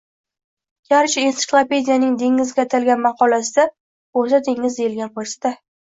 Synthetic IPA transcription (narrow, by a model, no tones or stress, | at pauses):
ɡʲʰaɾt͡ʃensɪ̥klˠape̞d̪ʲijanɪŋd̪e̞ŋɪzɡʲat̪ʰalɡʲanmɑqɒlasɪd̪a | oɾsad̪eŋːɪzd̪ejɪlɡʲanqʰoɾsɪ̥d̪̥a